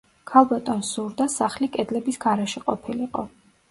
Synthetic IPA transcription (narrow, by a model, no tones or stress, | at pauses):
kʰalˠbat̪ʼɔnsuɾd̪asaχlikʼɛd̪lɛbisɡ̥aɾɛʃiqʼɔpʰiliqʼɔ̰